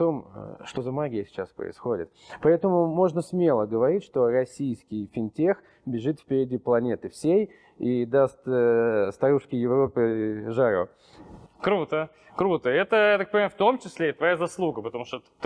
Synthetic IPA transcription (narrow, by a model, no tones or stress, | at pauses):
t̪o̞m̰ʂt̪o̞zɐmaɡʲɪjəsʲɪ̥t͡ɕaspɾə̰ɪ̰sxo̞dʲɪ̰t̪ | pɐɛt̪əmʊmo̞ʐnəsmʲe̞lˠəɡəvɐɾʲitʲʂt̪o̞rɐsʲijskʲɪjfʲɪnʲtʲe̞x | bʲɪʐɨt̪fʲpʲɪɾʲɪdʲiplˠɐnʲe̞t̪ɨfsʲej | id̪ast̪st̪ɐɾuʂkʲɪjɪvɾo̞pɨʐaɾʊ̰ | kɾut̪ə | kɾut̪əɛt̪əjat̪ak̚pənʲɪmaft̪o̞mt͡ɕɪsʲlʲeit̪vɐjazɐslˠuɡəpət̪ɐmuʂt̪ot̪t̪